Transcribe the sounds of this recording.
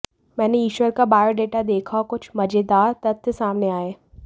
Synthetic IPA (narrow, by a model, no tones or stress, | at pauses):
mɛ̃ːneiːʃʋəɾkabaːɾɖeːʈad̪eːkʰaokʊt͡ʃʰmɐd͡ʒeːd̪aːɾt̪ɐt̪ʰːəsaːmneaːeː